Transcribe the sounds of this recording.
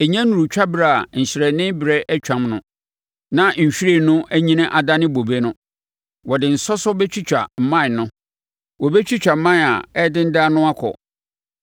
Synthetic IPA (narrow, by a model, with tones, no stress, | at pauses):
e˨ɲɛ̃˦nũ˨ɾu˨t͡ɕᶣa˦bɪ˦ɾa˨a˨ɲ̩˨ɕɪ˨ɾɛ˨nɪ̃˦bɪ˨ɾɛ˦ʔɛ˦t͡ɕᶣã˨mnʊ̃˨ | nã˦ɲ̩˨ɕᶣɾe˦˨nʊ̃˦ʔæ˦ɲĩ˦nã˦ʔa˨da˦nɪ̃˦bo˨be˦nʊ̃˦ | wɔ˨dɪ˨n̩˨sɔ˦sɔ˦bɛ˦t͡ɕʰᶣi˦t͡ɕᶣa̰˨m̩˨mã˦n˨nʊ̃˦ | wɔ˨bɛ˦t͡ɕʰᶣi˦t͡ɕᶣa˨m̩˦mã˦n˨a̰˨ɛ˦dɪ̃˦n̩˦da˦nʊ̃˦a˦kʰɔ̰˨